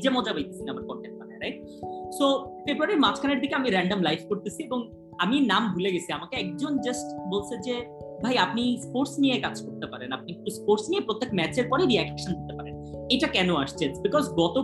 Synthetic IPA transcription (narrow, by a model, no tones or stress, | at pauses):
d͡ʑemɔd͡ʑabajt̪esʰinamaɾkɔɾkenkaneɾajk̚ | sofebɾuaɾeɾmat͡ɕʰkʰaneɾd̪ʱikeamiɾɛɳɖomlajfkoɾt̪et͡ɕʰieboŋ | aminambʱuleɡet͡ɕʰiamakeɛk̚d͡ʑond͡ʑasʈbolt͡ɕʰed͡ʑe | bʱajap̚nispoɾsnijekad͡ʑkoɾt̪epaɾenap̚nikikt̪uspoɾsnijepɾot̪ːekmɛt͡ɕeɾkpɔɾeɾiɛkkʃond̪it̪epaɾen | ejʈakɛnoaʃt͡ɕʰensbikɔzɡɔt̪o